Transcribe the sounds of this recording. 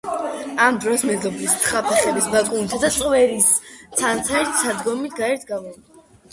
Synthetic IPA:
amd̪ɾɔsmɛzɔbist̪sʰχapʰɛχɛbisbakʼunisʰad̪at̪sʼqʼwɛɾist̪ʰant̪sʰaɛɾt̪ʰsad̪ɡɔmit̪ʰɡaɛɾt̪ʰɡavɛn

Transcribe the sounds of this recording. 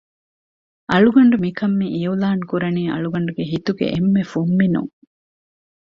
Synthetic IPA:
ʔɐɭuɡɐɳɖumikʰɐmːiʔijulaːŋkuɾɐniːɐ̰ɭuɡɐɳɖuɡeɦit̪uɡḛʔemːefumːinṵŋ

